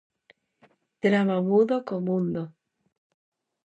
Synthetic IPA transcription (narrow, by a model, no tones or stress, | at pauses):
t̪ɾamamuðokomũnd̪o